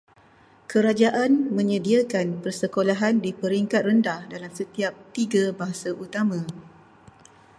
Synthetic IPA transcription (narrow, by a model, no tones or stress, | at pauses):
kəɾad͡ʒaʔanmə̃ɲə̃diakanpərsəkolaɦandipəɾiŋkat̪̚rəndahdalamsət̪iap̚t̪iɡabaɦasaʔut̪amã